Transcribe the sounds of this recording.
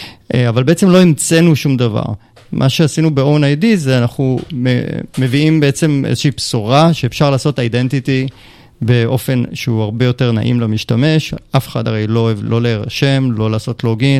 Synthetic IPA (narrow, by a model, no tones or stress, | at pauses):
ʔavalbeet͡semlo̞emt͡senuʃumdava̰ʁ | mʔaʃeasinubeofenajdizeanaχumemeviimbeet͡se̞mʔḛzeʃiːpsuʁaʃe̞ːfʃaʁlaːsotajdentiti | be̞ʔo̞fe̞nʃeuaʁbe̞jo̞te̞ʁna̰ʔḭmlamiʃtame̞ʃʔafeχa̰daʁejlolo̞leʁaʃe̞mlo̞laːso̞tloɡin